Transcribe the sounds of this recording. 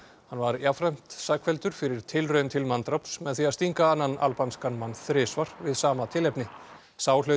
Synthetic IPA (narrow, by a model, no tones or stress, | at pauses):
hanːvaɾjafɾajm̥t̪saːkʰfɛlt̪ʏɾ̥fɪɾɪɾ̥t̪ʰɪlrœɥnt̪ʰɪlmant̪ɾawpsmɛðθiaðst̪iŋkaanːana̰lpanskanmanθɾɪːsvaɾ̥vɪðsaːmat̪ʰɪlɛpnɪ | saːwlœ